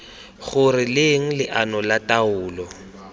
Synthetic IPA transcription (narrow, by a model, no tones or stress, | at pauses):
χʊrɪlɪŋ̩lɪʔanɔlataʊːlɔ